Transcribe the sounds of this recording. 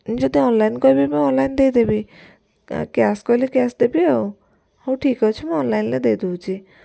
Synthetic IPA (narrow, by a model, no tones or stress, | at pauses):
d͡ʒod̪iɔnlainkɔibimũɔnlajnd̪ejd̪ebi | kaskɔjlekasd̪ebiew | hə̃w̃ʈʰikɔt͡ʃʰumũɔnlainled̪ejd̪uwt͡ʃʰi